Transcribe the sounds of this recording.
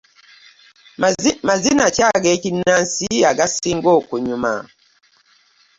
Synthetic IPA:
mazinat͡ʃaɡɛkinansiaɡasiŋɡɔkuɲuma̰

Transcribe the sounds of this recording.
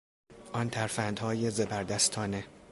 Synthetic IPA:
ʔɒnt̪ʰæɾfænd̪hɒːjezebæɾd̪æst̪ʰɒːne

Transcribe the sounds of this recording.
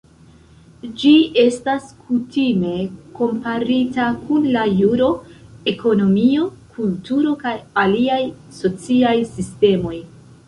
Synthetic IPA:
d͡ʒie̞staskʰutime̞ko̞mpaɾitakunlajuɾo̞e̞ko̞no̞mio̞kʰultuɾo̞kajaliaj | so̞t͡siajsiste̞mo̞j

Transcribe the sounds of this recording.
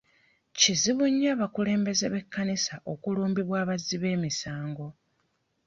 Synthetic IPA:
ciziβuɲːaːβakule̞ːmbe̞ze̞βe̞kːanisaʔo̞kuluːmbiβwaːβazːiβe̞ːmisaːŋɡo̞

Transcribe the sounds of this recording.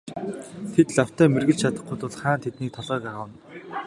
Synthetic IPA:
t̪ʰet̪ɮaw̥t̪æːmerɣɘ̆ɮt͡ɕt͡ɕʰat̪ə̆χ̚ɡʊjt̪ʊɮχaːnt̪ʰet̪niːk̚t̪ʰɔɮœːkaʁə̆wə̆n

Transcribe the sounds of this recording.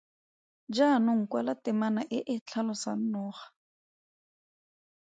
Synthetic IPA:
d͡ʒanʊŋ̩kwalatɪmanaʔɪʔɪt͡ɬʰalʊsan̩nɔːχḁ

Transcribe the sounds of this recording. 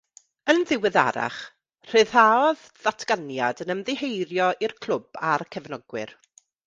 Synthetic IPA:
ənðɪwɨða̰ɾa̰χ | r̥ɨð̥aɔð | ðatʰɡ̥anjadənəmðɪhejɾjɔʔirkʰl̥ˠʊb̥arkʰɛvnɔɡwɪ̰ɾ

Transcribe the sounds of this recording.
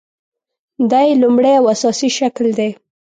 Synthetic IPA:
d̪ajlumɽejawasɑsiʃakld̪e

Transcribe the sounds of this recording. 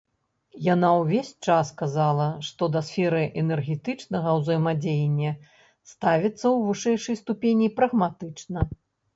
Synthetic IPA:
janawvʲesʲt͡ʂasːkazalˠɐʂt̪ɔd̪ɐsfʲɛɾɨʔɛnɛrɣʲɛt̪ɨt͡ʂnɐɣɐwzɐjmad͡zʲejɛnʲːɐ | st̪avʲit̪sːɐwvɨʂɛjʂɐjst̪upʲenʲipɾɐɣmat̪ɨt͡ʂnɐ

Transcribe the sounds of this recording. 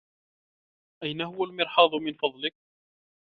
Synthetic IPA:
ʔajnaɦʊwalmɪɾħɑːd̪ˤʊmɪnfɑðˤlɪk̚

